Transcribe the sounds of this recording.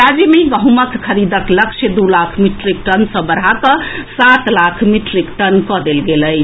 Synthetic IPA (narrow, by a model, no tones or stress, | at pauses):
ɾad͡ʒemeɡəɦuməkkʰəɾid̪əkləkt͡ʃʰed̪ulakʰmiʈɾik̚ʈənsə̃bəɾɦakəsat̪lakʰmiʈɾikʈənkɔd̪elɡeləj